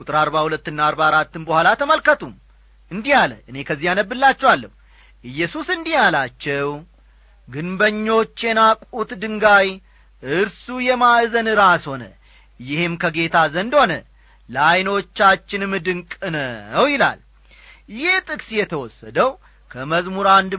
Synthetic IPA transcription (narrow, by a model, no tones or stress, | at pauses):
kʼut̪ʼɨɾaɾbahulət̪ːɨnːaːɾbaɾat̪ːɨnbəhʷalat̪ʰəməlkət̪ʰum | ɨnd̪ijalə̰ʔɨne̞kʰəzːihjanəbːɨlːat͡ʃːɛwalːəm | ʔɨjːɛsusɨnd̪ijalat͡ʃːɛw | ɡɨnbəɲːo̞t͡ʃːjɛnakʼut̪d̪ɨŋɡaj | ʔɨɾsujɛmaʔzənɨɾasho̞nə̰ | jɪhɨmkʰəɡe̞t̪ʰazənd̪ho̞nə | lajno̞t͡ʃːat͡ʃːɪnmːɨd̪ɨŋkʼɨnənəwjɪla̰l | jɪht̪ʼɨkʼsjɛt̪ʰəwɔsːəd̪əw | kʰəməzmuɾand̪